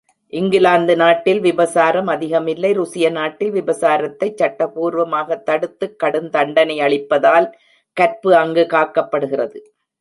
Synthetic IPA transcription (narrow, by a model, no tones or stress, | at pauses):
ʔɪŋɡɪlaːnd̪ɯnaːʈːɪlʋɪbɐsaːɾɐmɐðɪɣɐmɪlːɐɪɾʊsɪjɐnaːʈːɪlʋɪbɐsaːɾɐt̪ːɐɪt͡ʃːɐʈːɐpuːɾʋɐmaːɣɐt̪ːɐɽɯt̪ːɯkːɐɽɯnt̪ɐɳɖɐnɐɪɐɭɪpːɐðaːl | kɐɾpɯɐŋɡɯkaːkːɐpːɐɽɯɣɪrɐðɯ